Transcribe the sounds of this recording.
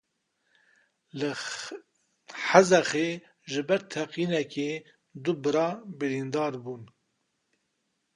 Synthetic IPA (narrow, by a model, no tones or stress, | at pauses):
lɨ | ħazɛxeː | ʒɨbɛɾt̪ʰɛqiːnɛke | d̪ʊbɨɾɑːbɨɾind̪ɑːɾbuːn